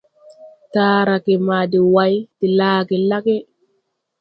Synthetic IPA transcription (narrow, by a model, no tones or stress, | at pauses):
taːɾakɛmadɛwajtilaːkɛlakɛ